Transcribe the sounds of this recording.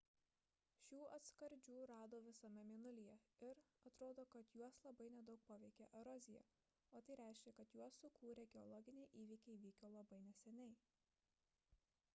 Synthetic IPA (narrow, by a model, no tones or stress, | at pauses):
ʃʲuːɐt̪skɐɾʲd͡ʒʲuːɾɑːd̪oːʋʲɪsɐmʲɛmʲɪnʊlʲijɛɪɾɐt̪ɾoːd̪oːkɐt̪juɔslˠɐbɐɪnʲɛd̪ɐʊk̚poːʋʲɛɪkʲeʔɛɾɔzʲɪjɛ̰ | oːt̪ɐɪɾʲæˑɪʃʲkʲɛkɐt̪juɔsːʊkuːɾʲeːɡʲɛɔlˠɔːɡʲɪnʲɛɪʔiːʋʲiːkʲɛɪʋʲiːkʲoːlˠɐbɐɪnʲɛsʲɛnʲɛɪ